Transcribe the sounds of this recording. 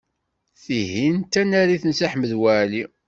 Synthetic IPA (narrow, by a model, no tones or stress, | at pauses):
θiɦint̪ːænæɾiθənsaħməðwæʕli